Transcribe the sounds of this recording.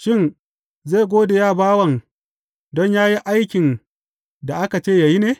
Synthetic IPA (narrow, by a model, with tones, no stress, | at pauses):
ʃɪ˦˨n | zeː˦˨ɡʷoː˦da˨jaː˦baː˦wɐ˨ŋ | dɔ˦ɲjaː˦ji˦ʔa˦jkʲɪ˨n | da˨ʔa˦ka˨t͡ʃeː˦˨ja˨ji˦neː˦